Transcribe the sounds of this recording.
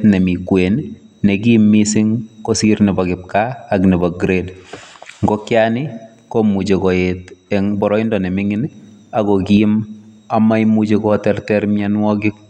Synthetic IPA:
tnɛmikwen | nekimːisɪŋkosirnibɔkɪp̚kaːknibɔɡɾed | ŋɡɔkjanɪ | komut͡ʃekɔetɛŋbɔɾɔindɔnɛmɪŋɪn | akɔkim | amajmud͡ʒekɔtɛrtɛrmjanwɔkɪk̚

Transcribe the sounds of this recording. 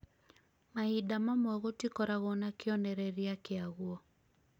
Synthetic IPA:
maidamamwɔɣotikɔɾaɣɔnakɪɔnɛɾɛɾiakɪaɣwɔ

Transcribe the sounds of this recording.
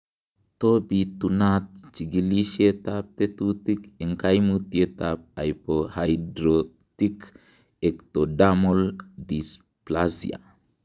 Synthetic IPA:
tobit̪unat̚t͡ʃiɡiliʃietap̚tetutikeŋkajmutietap̚ajpohajdɾo | tik | ektodamoldis | plazḭa̰

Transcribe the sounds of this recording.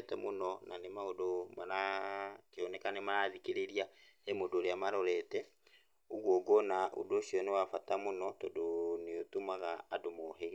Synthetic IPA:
tɛmonɔnʔanemaodomaɾakeɔnɛkanemaɾaðikeɾeɾia | emodoɾeamaɾɔɾɛtɛ | oɣwɔɡɔnaʔo̰doʃiɔnewafatamonɔtodoneotumaɣaːdomɔɦeɣ

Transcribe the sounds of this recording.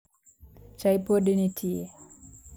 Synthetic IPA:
t͡ʃajpodinitʰie

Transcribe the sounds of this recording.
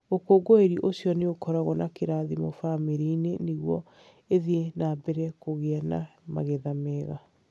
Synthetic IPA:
okoɡoeɾiʔosjɔneokɔɾaɣɔnakeɾaðimo̰famiɾineneɣwɔ | eðienaːbɛɾɛkoɣeana̰ma̰ɣeðamɛɣa

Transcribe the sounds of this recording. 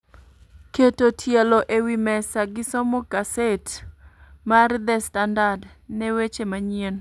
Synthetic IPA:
ketotʰjɛloʔewimɛsaɡɪsɔmɔkaset | maɾɪd̪ɛstandad | nɛwet͡ʃemaɲien

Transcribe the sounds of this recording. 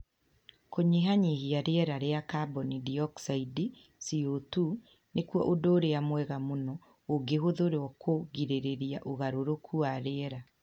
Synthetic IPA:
koɲeɦaɲihiaɾeɛɾaɾeakabɔnidiɔksaidi | siotu | nekuɔ̰ʔodoɾeamwɛɣamonɔ | oɡeɦoðoɾeɔkʰoɣiɾeɾeɾiaʔoɣaɾoɾokʰuaɾeɛɾa

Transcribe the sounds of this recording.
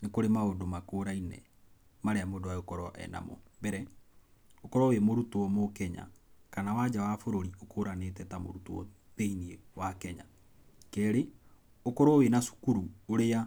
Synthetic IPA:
nekoɾemaodomakoɾainɛ̰ | maɾeamodowaeokɔɾɔʔɛ̰na̰mɔ̰mbɛɾɛ | okɔɾɔːwemoɾutowɔmokɛɲa̰kanawad͡ʒawafoɾoɾiokʰoɾanet̬ɛtamo̰ɾutoɔ̰ | ðeiniewakɛɲa̰ | kɛɾe | okɔɾɔwenasu̥kuɾuoɾea

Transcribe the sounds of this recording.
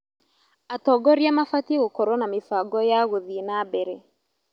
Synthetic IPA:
atɔɡɔɾjamafatiɣokɔɾɔnamefaɡɔjaɣoðinabɛɾe

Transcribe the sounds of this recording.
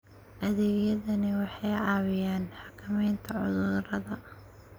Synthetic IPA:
ʔɐðɛːɡjɐðɐnɪwɑħɑjɑːwɪjaːnħɑkʰɪmɛjnt̪ʰɐʕʊ̰ðʊɾɐðɐ

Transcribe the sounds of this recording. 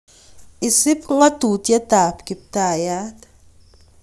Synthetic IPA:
ʔɪsɪpŋat̪uːt̪jat̪aːpkɪp̚t̪ajaːt̪

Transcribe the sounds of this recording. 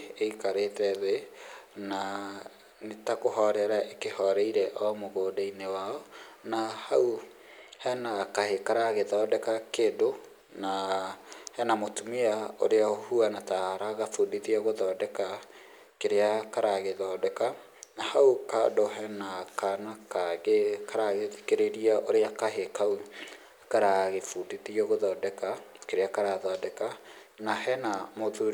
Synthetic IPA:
eikaɾetɛðena | netakoɦɔɾɛɾaʔekehɔɾɛiɾɛʔɔmoɣoːdainewaɔnahau | hɛnakahekaɾaɣeðɔdɛkakedo | na | hɛnamotumiao̰ɾeaohuanataɾaɣafodiðiɛɣoðɔːdɛka | keɾeakaɾaɣeðɔːdɛka | nahauka̰doɦɛnakanakaekaɾaɣetekeɾeɾiaʔoɾeakaɦekau | kaɾaɣefudiðiɛɣoðɔːdɛka | keɾeakaɾaðɔdɛka | nahɛnamoðuɾ

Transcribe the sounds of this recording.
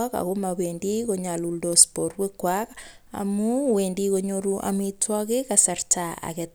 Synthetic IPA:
aka̰ɣomaβendiɣoɲaluldospoɾwekwaka̰muwendiɣoɲoɾuʔa̰mitwaɣeɣasaɾtaa̰ɣe

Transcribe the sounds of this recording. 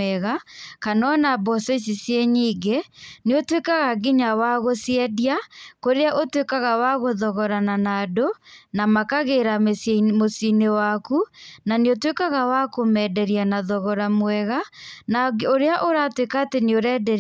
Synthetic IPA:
ɛɣakanɔnabɔsɔs̬isjeɲiːɡeneotwekaɣaɡiɲawaɣosjɛdiakoɾeaʔotwekaɣawaɣoðɔɣɔɾananadonamakaɣeɾamesmosinewakunaneotwekaɣawakomɛdɛɾianaðɔɣɔɾamwɛɣanaoɾeaʔoɾatwekaːteneoɾɛːdɛɾ

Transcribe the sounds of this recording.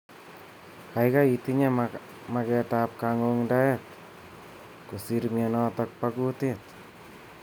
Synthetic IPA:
kajkait̪iɲa | makɛtap̚kaŋoŋdaɛk̚ | kusiɾmjenɔtɔk̚pakutet̪̚

